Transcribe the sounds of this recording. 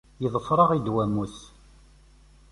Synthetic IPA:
jəðˤəfɾˤɑʁid̪wæmuθ

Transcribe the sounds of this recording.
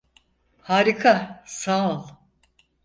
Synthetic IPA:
haːɾikʰasalˠ

